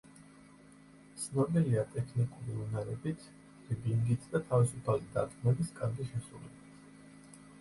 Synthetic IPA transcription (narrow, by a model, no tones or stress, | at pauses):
t̪sʰnɔbiliat̪ʼɛkʰnikʼuɾiunaɾɛbit̪ʰ | ɾibiŋɡit̪ʰd̪at̪ʰavisupʰalid̪ad̪ɡmɛbiskʼanbiʃɛsɾulɛbit̪ʰ